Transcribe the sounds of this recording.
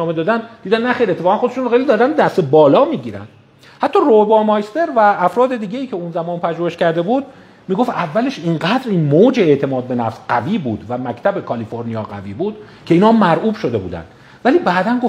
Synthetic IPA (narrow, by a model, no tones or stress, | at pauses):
ɒːmed̪ɒːd̪ænd̪d̪iːd̪ænnæxejɾiet̪ʰːefɒːɣænxod̪eʃunoxejlid̪ɒːɾænd̪æst̪ebɒːlɒːmiːɟiːɾæ̰nd̪̥ | hæt̪ʰːɒːroebɒːmɒjst̪e̞ɾvæːfɾɒːd̪e̞d̪iːɟe̞iːcʰe̞unzæmɒːnpʰæʒoheʃcæɾd̪e̞buːd̪̥̚ | miːɡo̞ft̪ævːæle̞ʃiŋɢæːd̪ɾiːnmoːd͡ʒeːʔt̪ʰe̞mɒːd̪̚be̞næfsɢæviːbuːd̪væmæcʰt̪ʰæbekʰɒliːfo̞ɾnijɒːɢæ̰vḭːbuːd̪ | cʰe̞iːnhɒːmæɾʔuːbʃod̪e̞bṵːd̪æ̰nd̪̥ | væliːbæːd̪ænɡo